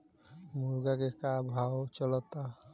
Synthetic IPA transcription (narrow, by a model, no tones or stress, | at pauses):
muɾɡaɡekabʱawot͡ʃɔlɔt̪a